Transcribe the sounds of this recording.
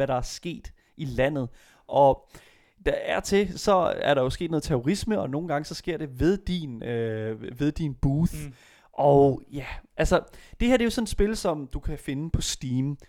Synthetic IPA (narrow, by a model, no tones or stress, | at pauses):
æɾɑ̈æɐsɡ̥e̝̰ːd̥ | ʔilæn̰ð̞̩ˠ | ʔɒ̽ | d̥ɑæɐt͡sʰe̝sɒ̽æɐɾɑ̈jo̝sɡ̥e̝̰ːd̥nɔð̩ˠt͡sʰæoʁisməɒ̽no̝ːn̩ɡ̥ɑ̈ŋəsɒ̽sɡ̥e̝ɐ̰ɾ̥e̝ʋe̝ð̞ˠd̥inøʋe̝ðˠd̥inb̥uːθ | ʔɒ̽jæʔælsɐd̥e̝heɐd̥e̝jo̝sɒ̽ned̥sb̥e̝lsɒ̽md̥ukʰæfe̝nəpʰɒ̽sd̥iːm